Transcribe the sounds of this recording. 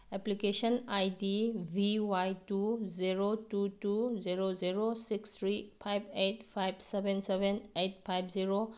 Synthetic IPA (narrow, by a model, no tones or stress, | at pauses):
eplikesɔnajdibʱiwajtuziɾotutuziɾoziɾosikst̪ʰɾipʰajbʰetpʰajbsebensebenet̚pʰajbʰziɾo